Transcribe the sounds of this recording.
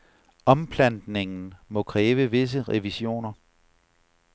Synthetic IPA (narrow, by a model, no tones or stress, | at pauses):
ɒ̽mpʰlænd̥ne̝ŋn̩mɒ̽kʰʁɛːʋəʋe̝s̬əʁɛʋiɕo̝̰ːnɐ